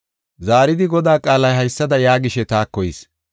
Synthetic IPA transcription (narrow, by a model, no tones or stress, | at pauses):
zaːɾɪd̪ɪɡɔd̪aːkʼaːlɐjɦɐjsːɐd̪ɐjaːɡɪʃɛt̪aːkːɔjɪs